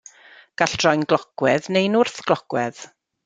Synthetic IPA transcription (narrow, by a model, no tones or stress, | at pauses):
ɡ̥aɬd̥rɔjnɡlˠɔɡ̥wɛðnejnʊrθɡ̥lˠɔɡ̥wɛð̥